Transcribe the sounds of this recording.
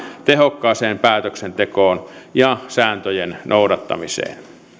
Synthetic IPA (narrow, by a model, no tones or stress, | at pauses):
t̪ehokːɑːseːmpæːt̪øksent̪ekoːnjɑsæːnt̪øjennʔoudɑt̪ːɑ̰misḛːn